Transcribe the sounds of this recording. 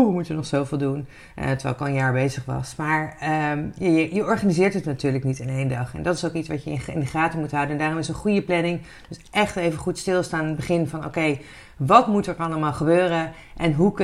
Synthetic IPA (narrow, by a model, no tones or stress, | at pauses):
mutʋənɔχsowvɪːlˠdun | ə̰tʋɛ̰lɪkɔlˠənjaːɹbejzəχʋɑ̰smaːɹəmjajəjəɔɹχanizɪːɹtətnatyːɹləknitanejndɑχɛ̰ndɑtɪsoʊkitsʋɑtjəɪ̰nɪndəχraːtəmutɦʌwdənndaːrɔmɪsə̃nχujəplɛnɪŋ | døsʔɛχtejvəχutstɪlˠstaːnbəχɪnvɑno̰wkej | ʋɑtmutəɹɑləmaːlˠχəbøːrə | ʔɛnɦuk